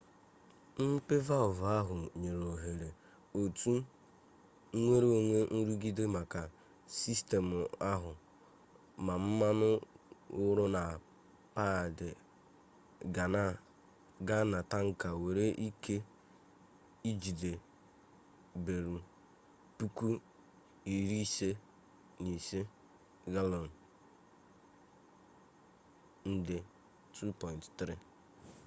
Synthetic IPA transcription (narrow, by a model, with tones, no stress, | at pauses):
m̩˦pe˦va˦ʊ˨va˦ɦʊ˨ɲe˨ɾo˨ɦe˨ɾe˨ | o˨tu˦ | ŋʷe˦ɾo˨ŋʷe˦n̩˦ɾu˦ɡi˦de˦ma˨ka˨ | si˦ste˨mʊ˨a˦ɦʊ˨ | ma˨m̩˦ma˦nʊ˦ʊ˦ɾʊ˦na˨ | pa˦˨dɪ˨ | ɡa˨na˦ | ɡa˦na˨ta˦ŋ̩˦ka˨we˨ɾe˦ʔi˦kʰe˦ | i˦d͡ʒi˨de˨ | be˨ɾu˨ | pu˦ku˦ | i˨ɾi˦se˦ | ni˨se˦ | ɡa˦lɔ˨n˨ | n̩˦dɪ˦ | tʰu˦pɔ˨ɪ̃˨nttɾi˦